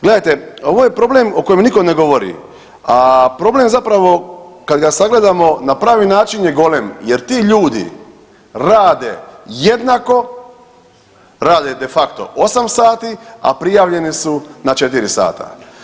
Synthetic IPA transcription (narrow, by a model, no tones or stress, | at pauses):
ɡle̞d̪ajt̪eo̞ʋojepɾo̞blemo̞ko̞jemniko̞ne̞ɡo̞ʋo̞ɾḭ | apɾo̞ble̞mzapɾaʋo̞kad̪ɡasaɡle̞d̪amo̞napɾaːʋinaːt͡ʃinjeɡo̞lemjeɾt̪iːʎuːd̪ḭ | ɾaːd̪ejed̪nako̞ | ɾaːd̪ed̪e̞fakt̪o̞̰ʔo̞samsaːt̪ia̰pɾijaːʋʎe̞nisunat͡ʃe̞t̪iɾisa̰ːt̪ʰa̰